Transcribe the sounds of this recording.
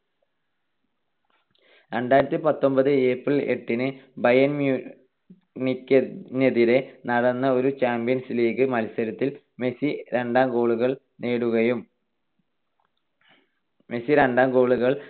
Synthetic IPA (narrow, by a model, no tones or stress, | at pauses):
ɾe̞ɳɖaːjɾɐt̪ːipɐt̪ːo̞mbɐðɨe̞ːpriɭe̞̰ʈːinɨbɐjɐnmju | nikʲːɐnɐðiɾe̞nɐɽɐnːɐo̞ɾut͡ɕaːmbijɐnsliːɣɨmɐlsɐɾɐt̪ːil | me̞siɾe̞ɳɖaːmɡo̞ːɭuɣɐɭ | neːɽuɣɐjum | me̞siɾeɳɖaːmɡo̞ːɭuɣɐɭ